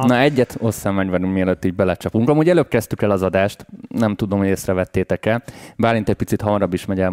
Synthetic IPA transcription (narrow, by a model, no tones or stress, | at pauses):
nɒɛɟːɛt̪o̞sːamːaɲvanummiɛløt̪ːiːɟ̚bɛlɛt͡ʃɒpuŋkɒmuːɟɛløːp̚kɛst̪ykɛlɒzɒd̪aːʃt̪nɛmt̪ud̪o̞mhoeːsrɛvɛt̪ːeːt̪ɛkɛlbaːɾminɛc̚ʲpit̪sit̪hɒmɒɾɒbːiʃmɛɟɛl